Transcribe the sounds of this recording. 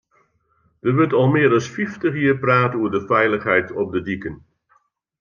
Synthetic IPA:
d̥ərʋɵtɑlˠmɪəɾɑlˠsfiftəχjɪːrpraːtəuəɹdəfɛjləχɦɛjtʰɔp̚dədikən

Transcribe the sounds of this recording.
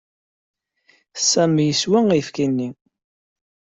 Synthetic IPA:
sæmjəswæŋæjfkinːi

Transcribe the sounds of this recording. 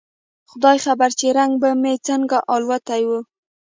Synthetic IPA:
xʊd̪ɑjxabaɾt͡ʃeɾaŋɡbamet͡səŋɡaʔɑlwat̪ajwu

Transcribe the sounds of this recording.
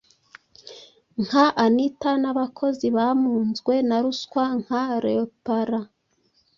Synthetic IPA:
ŋhaʔanitanaβakʰo̞ziβamuːnzɡwe̞naɾuskwaŋ̥haɾeopaɾa

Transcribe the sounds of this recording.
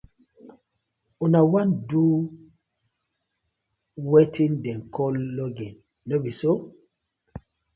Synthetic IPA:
unawãndu | wetĩndɛ̃nkʰɔlːɔɡɛ̃n | nobiso

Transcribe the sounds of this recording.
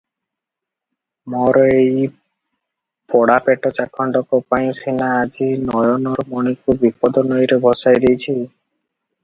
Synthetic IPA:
mɔɾɔej | pɔɽapeʈɔt͡ʃakʰɔɳɖɔkɔpaĩsinaːd͡ʒinɔjɔnɔɾmɔɽ̃ikubipɔd̪ɔnɔjɾebʱɔsajd̪ejt͡ʃʰi

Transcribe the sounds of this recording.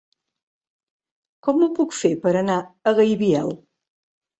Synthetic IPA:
kɔmupukfepəɾənaəɣəjβiɛlˠ

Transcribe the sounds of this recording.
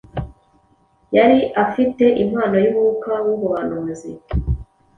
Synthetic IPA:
jaɾiʔafite̞ʔim̥haːno̞juβuukawuβuβanuːnzi

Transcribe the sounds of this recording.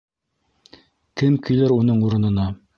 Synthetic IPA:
kɘmkɵ̆jlæɾunɤɴuɾɤ̆nɤ̆nɑ

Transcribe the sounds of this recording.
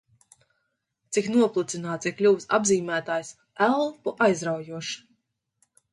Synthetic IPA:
t̪siknuɔplˠut̪sinaːt̪iklʲuːsa̰bziːmʲæːt̪aːjs | ælˠpuʔajzɾawjuɔʃ

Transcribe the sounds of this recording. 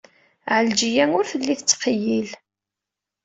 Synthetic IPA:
ʕəld͡ʒijæŋʊɾfəlːiθət͡sːqjil

